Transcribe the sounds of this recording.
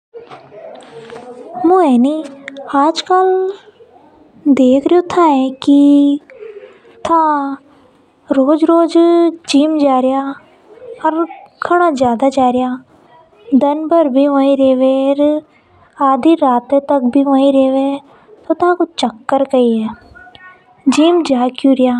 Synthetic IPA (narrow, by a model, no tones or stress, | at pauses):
mõɛːniaːd͡ʒkəl | d̪eːkʰɾəjot̪ʰãɛ̃ki | t̪ʰã | ɾoːd͡ʒɾoːd͡ʒd͡ʒiːmd͡ʒaːɾja | ɔɾkʰəɽ̃azjaːd̪ad͡ʒaːɾɪjaː | d̪ɐnbəɾbʱiʋə̃ːĩɾeːʋeɾ | aːd̪iɾaːt̪et̪ək̚bʱiʋə̃ːĩɾeːʋe | t̪ot̪ʰãkʊt͡ʃəkːəɾkəiɛ | d͡ʒiːmd͡ʒaːkjuːɾɪjaː